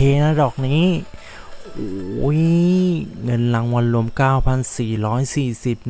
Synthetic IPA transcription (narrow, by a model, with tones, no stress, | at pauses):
eː˧na˦˧˥dɔː˨˩k̚niː˦˥ | ʔoː˨˩˦j | ŋɤ˧nla˧ŋwa˧nlu˧˦əmkaː˥˩wpʰa˧nsiː˨˩ɾɔː˦˥jsiː˨˩si˨˩p̚